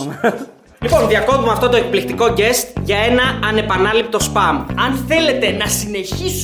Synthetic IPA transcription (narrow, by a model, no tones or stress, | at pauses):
lipo̞nðiɐko̞t̪umeɐft̪o̞t̪o̞e̞k̚plik̚t̪iko̞ɟe̞st̪ʝɐe̞nɐːne̞pɐnɐlip̚t̪o̞spɐmɐnθe̞le̞t̪e̞nɐsine̞çis